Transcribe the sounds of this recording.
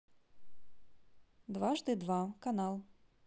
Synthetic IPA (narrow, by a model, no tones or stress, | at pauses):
d̪vaʐd̪ɨd̪vakanalˠ